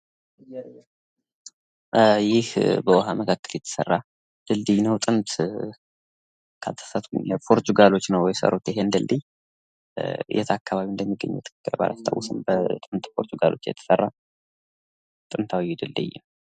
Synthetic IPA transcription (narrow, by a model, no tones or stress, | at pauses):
jɪhbəwɔɦaməkʰakːəljɛt̪ʰə̥sə̰rːa | d̪̥ɨld̪ijnəwt̪ʼɨnt̪ | kʰat̪ʰə̥sət̪ʰujəpʰo̞ɾt̪ʰuɡalo̞t͡ʃːnəwjɛsə̰ɾut̪ɪɦend̪ɨld̪ij | jɛ̰t̪ʰakːaβaβind̪əmːiɡːə̰ɲːɛ̰ɛt̪ʰɨ̥kʰɨkːɨɾba̰lʔa̰st̪ʰa̰wsɨmbət̪ʼɨnt̪pʰo̞ɾt̪ʰuɡalo̞t͡ʃːjɛ̰t̪ʰə̥sərːa | t̪ʼɨnt̪ʰawjːɛd̪ɨld̪ɨ̰jm